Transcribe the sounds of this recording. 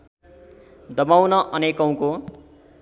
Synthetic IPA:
d̪ʌmawnʌʔʌnekʌw̃ko

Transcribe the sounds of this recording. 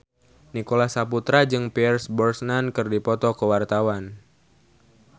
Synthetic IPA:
nikolahsaput̪ɾad͡ʒɨŋpɛɛrsbɔrsnankɨrdipɔt̪ɔkəwart̪awan

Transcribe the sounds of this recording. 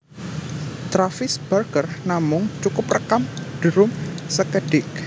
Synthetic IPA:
t̪ɾafɪsb̥ərɡərnamʊŋt͡ʃukʊp̚rəkamd̥əɾʊmsəkəɖ̥ɪk̚

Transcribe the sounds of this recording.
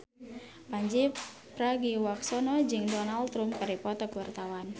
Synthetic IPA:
paɲd͡ʒi | pɾaɡiwaksɔnɔd͡ʒɨŋdɔnalt̪ɾumkaɾipɔt̪ɔkəwart̪awan

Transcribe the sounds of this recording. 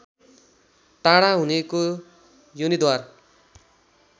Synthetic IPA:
ʈ̪aɽaɦuneko | jonid̪war

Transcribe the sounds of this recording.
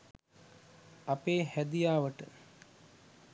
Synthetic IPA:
apeːhæd̪ijaːʋəʈə

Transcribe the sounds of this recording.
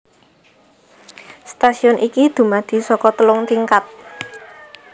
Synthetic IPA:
st̪asiɔnʔikid̪̥ṳmad̪̥i̤sɔkɔt̪əlʊŋt̪iŋkat̪̚

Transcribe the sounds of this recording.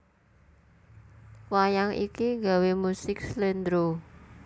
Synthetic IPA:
wajaŋḭkiŋɡa̤wemusɪkslend̪ɾo

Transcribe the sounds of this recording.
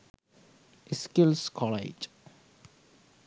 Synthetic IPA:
skɪlskʰɔlḛd͡ʒ

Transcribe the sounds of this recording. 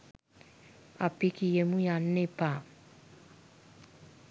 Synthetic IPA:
apikijemũjan̩ẽpa

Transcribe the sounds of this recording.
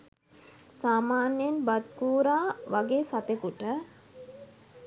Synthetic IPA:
saːmaːnjenbat̪̚kuːɾaːʋaɡeːsat̪ekuʈə

